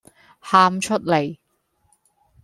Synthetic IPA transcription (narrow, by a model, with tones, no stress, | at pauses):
haː˧mt͡ʃʰɵ˥t̚le˨˩j